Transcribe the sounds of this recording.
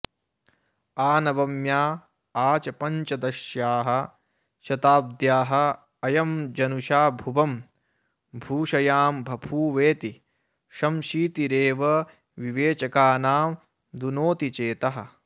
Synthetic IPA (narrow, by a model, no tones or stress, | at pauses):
aːnɐʋɐmjaː | aːt͡ʃɐpɐɲt͡ʃɐd̪ɐʃjaːɦɐ̆ | ʃɐt̪aːb̚d̪jaːɦɐ̆ | ɐjɐmd͡ʒɐnuʃaːbʱuʋɐm | bʱuːʃɐjaːmbʱɐbʰʱuːʋeːt̪i | ʃɐmʃiːt̪iɾeːʋɐ | ʋiʋeːt͡ʃɐkaːnaːm | d̪unoːt̪it͡ʃeːt̪ɐɦɐ̆